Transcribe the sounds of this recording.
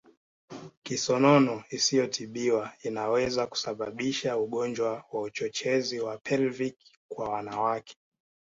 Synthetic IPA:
kisɔnɔnɔisijɔtʰiɓiwainawɛzaku̥saɓaɓiʃauɠɔnd͡ʒwawaut͡ʃɔt͡ʃɛziwapʰɛlvik | kwawanawakʰɛ̥

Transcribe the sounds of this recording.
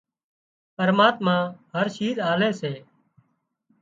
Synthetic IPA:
pəɾmaːt̪mãːɦəɾʃiːɾaːleːseː

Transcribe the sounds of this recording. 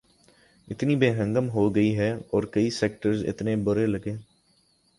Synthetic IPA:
ɪt̪nibeːɦə̃ŋɡəmɦoɡɐiɦɛɔːɾkɐiseːk̚ʈəɾzɪ̰t̪nẽbʊɾelɐɡẽː

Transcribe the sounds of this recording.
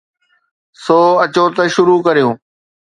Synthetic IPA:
soːɐt͡ɕoːt̪ɐʃʊɾuːkəɾijũː

